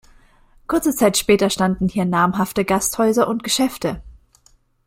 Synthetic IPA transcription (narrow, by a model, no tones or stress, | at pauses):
kʰʊɐt͡sət͡saɪtʃpɛːtɐʃtandn̩hiːɐnaːmɦaftəɡasthɔʏzɐʔʊntɡ̥əʃɛftə